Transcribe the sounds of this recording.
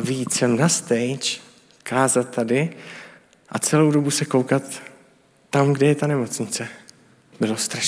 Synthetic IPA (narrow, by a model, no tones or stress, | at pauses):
viit̪sɛmnast̪ɛjt͡ʃ | kʰaːzat̪ːadɪ | ʔat͡sɛlowdo̞busɛkowkat̪ː | amɡdɛjɛt̪anɛmo̞t͡sɲɪt͡sɛ | bɪlost̪ɾaʃ